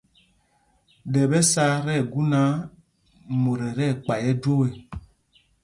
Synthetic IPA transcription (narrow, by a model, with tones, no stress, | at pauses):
dɛ˨bɛ˦sa˦ɾɛ˦˨ɡu˦na˨˦ | mo˨ɾɛ˨ɾɛ˦˨k͡pa˨jɛ˦d͡ʒo˦we˨